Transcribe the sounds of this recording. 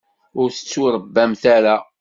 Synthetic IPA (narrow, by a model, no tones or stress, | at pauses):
ʊɾθə̥t͡sːuɾəbːæmθaɾa